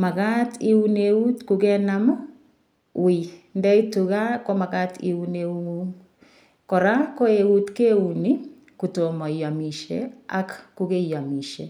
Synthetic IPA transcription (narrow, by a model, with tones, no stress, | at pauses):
ma˨ɣati˦u˦neu˦tkuɣɛ˦namɔ | windɛ˦i˦tuɣa˦kɔ˦ma˨ɣatʰḭ˨u˦neu˦ŋuŋ | kɔ˨ɾako˦e˨u˦tke˦uni˦ | ku˨to˨mɔ˨ia˨mi˨ʃḛa̰˦kkuɣe˦ija˨mi˨ʃḛ